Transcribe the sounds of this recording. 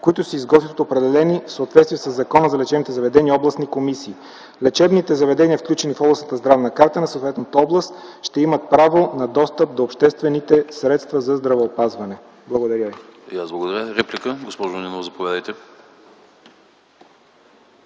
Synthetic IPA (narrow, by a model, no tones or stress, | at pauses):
koit̪ʊsəizɡɔt̪vit̪ot̪oːpɾɛd̪ɛlɛnifsəot̪vɛt̪st̪viɛsəzːɐkɔnəzɐlɛt͡ʃɛbnit̪ɛzɐvɛd̪ɛniɔblˠəsnikomisiː | lɛt͡ʃɛbnit̪ɛzɐvɛd̪ɛniəfklʲut͡ʃɛnifɔblˠəsnət̪əzd̪ɾavnɐkaɾt̪ənɐsoːt̪vɛt̪nət̪əɔblˠəst̪ʃt̪ɛimət̪̚pɾavonɐd̪ɔst̪əp̚d̪oːpʃt̪ɛst̪vɛnit̪ɛsɾɛt̪st̪vɐzɐzd̪ɾɐvəːpazvɐnɛ | blˠɐɡod̪ɐɾʲəvijazblˠɡod̪ɐɾʲəɾɛplikəɡospɔʒonʲinovzɐpovʲjad̪əjt̪ɛ